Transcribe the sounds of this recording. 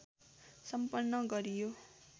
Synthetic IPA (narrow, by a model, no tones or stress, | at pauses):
sʌmpʌnːʌɡʌɾijo